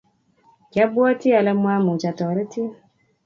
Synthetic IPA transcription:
kja˦bɔ˦ti˦a˨lɛ˦mwa˦mu˨t͡ʃa˨tɔː˨ɾe˦ti˦a˦

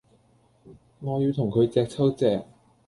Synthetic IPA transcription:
ŋɔː˨˧jiː˧wt̪ʰʊ˨˩ŋkʰɵ˨˧ɥt͡sɛː˧k̚t͡sʰɐ˥wt͡sɛː˧k̚

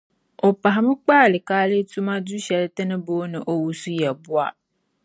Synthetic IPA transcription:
o˨pa˨ɦa˨mɪ̃˦k͡paː˦˨lɪ˨kaː˦lɪ˦tu˦mã˦du˦ɕɛ˨ltɪ˦nɪ̃˦boː˦nɪ̃˨ʔo˦wu˨su˦jɛ˨bu˦a̰˦˨

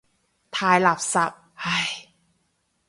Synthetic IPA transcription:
t̪ʰaː˧jla˨˩p̚sa˨˩p̚ha˧˩j

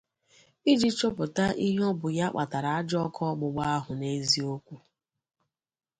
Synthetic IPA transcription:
i˦d͡ʒi˦t͡ʃɔ˦pʊ˨ta˦ʔi˦ɦɔ˦bʊ˨ja˦k͡pa˨ta˨ɾa˨a˦d͡ʒɔ˦kʰɔ˦ɡ͡bʊ˨ɡ͡ba˦a˦ɦʊ˨ne˦zi˦o˦kʷu˦

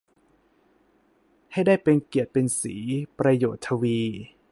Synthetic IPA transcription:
ha˥˩jdaː˥˩jpe˧nki˨˩ət̪̚pe˧nsḭː˩˦pɾa˧joː˨˩t̪ʰːa˧wiː˧

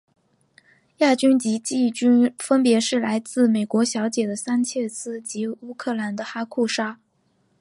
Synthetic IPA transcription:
ja˥˩t͡ɕy˥nt͡ɕi˧˥t͡ɕi˥˩t͡ɕy˥nfə˥npjɛ˧˥ʂɻ̩˥˩la˧˥ɪt͡sɹ̩˥˩me˨˩ɪkwɔ˧˥ɕjɑ˧˥ʊt͡ɕjɛ˨˩d̪ə˦sa˥nt͡ɕʰjɛ˥˧t͡sʰɹ̩˥˩t͡ɕi˧˥u˥kʰɤ˥˩la˧˥nd̪ə˧xa˥kʰu˥˩ʂa˥

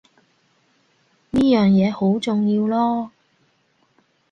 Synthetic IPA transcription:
niː˥jœː˨ŋjɛː˨˧ho˨˥wt͡sʊ˨ŋjiː˧wlɔː˥

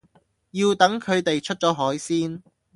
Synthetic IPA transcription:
jiː˧wt̪ɐ˨˥ŋkʰɵ˨˧ɥt̪e˨jt͡ʃʰɵ˥t̚t͡sɔː˨˥ɦɔː˨˥jsiː˥n

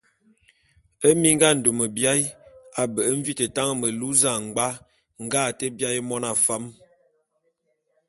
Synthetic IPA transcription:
ə˦mi˦ŋ˦ɡa˦˨n̩˨do˨mə˨bja˦ja˨bə˨ə˦ɱ̩˦vi˦tə˨ta˦ŋə˦mə˨lu˦za˦˨ŋ˨ɡ͡ba˦ | ŋ̩˦ɡa˦˨tə˦bja˦jmɔ˦na˨fa˦m

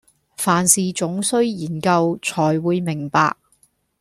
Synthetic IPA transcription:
faː˨nsiː˨t͡sʊ˨˥ŋsɵ˥ɥjiː˨˩nkɐ˧wt͡sʰɔː˨˩jwuː˨˧jmɪ˨˩ŋpa̰ː˧k̚

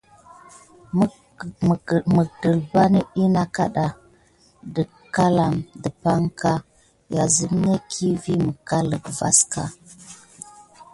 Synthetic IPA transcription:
mə˨də˨lba˦nə˦i˦na˦ka˦ɗa˨ | də˨ | ka˦la˨mdə˨pa˦ŋka˦ | ja˨zi˦m˦ne˦kʰi˦vi˦mə˨ka˦lə˨ɡva̰˦ska̰˨

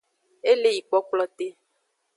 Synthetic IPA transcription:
e˦le˦ji˨k͡pɔ˨˦k͡plɔ˨t̪e˦

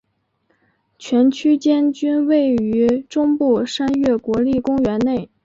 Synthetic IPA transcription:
t͡ɕʰɥɛ˧˥nt͡ɕʰy˥t͡ɕjɛ˥nt͡ɕy˥nwe˥˩ɪy˧˥ʈ͡ʂʊ˥ŋpu˥˩ʂa˥nɥɛ˥˩kwɔ˧˥li˥˩kʊ˥ŋɥɛ˧˥nne˥˩ɪ

